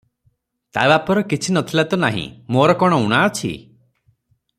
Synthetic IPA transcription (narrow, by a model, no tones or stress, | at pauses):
t̪a̰bapɔɾɔkit͡ʃʰinɔt̪ʰilat̪unaɦḭ̃moɾɔkɔɽ̃ɔuɽ̃aɔt͡ʃʰḭ